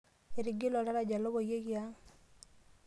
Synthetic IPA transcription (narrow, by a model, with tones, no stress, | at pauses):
e˨ɾi˨ɡi˦lo˨la˦ɾa˦˨ɟa˨lo˦βo˨je˦ɣja˦